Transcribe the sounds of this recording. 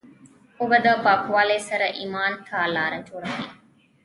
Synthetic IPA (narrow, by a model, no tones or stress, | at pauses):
ubɐd̪ɐbɐkuʋaːleːsɐɾɐʔimaːnt̪ʰaːlaːɾɐtuɾɐɦi